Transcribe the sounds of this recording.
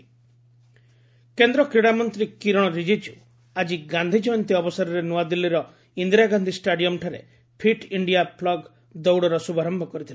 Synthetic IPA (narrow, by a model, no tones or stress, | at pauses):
kend̪ɾɔkɾiɽamɔnt̪ɾikiɾɔɽ̃ɔɾid͡ʒid͡ʒu | ad͡ʒiɡand̪ʱid͡ʒɔjɔnt̪iɔbɔsaɾɔɾenuad̪ilːiɾɔ | ind̪ɾaɡand̪ʱisʈaɖijɔmʈʰaɾḛ | pʰiʈiɳɖijaplɔɡ | d̪ɔwɽɔɾɔsubʱaɾɔmbʱɔkɔɾit̪ʰila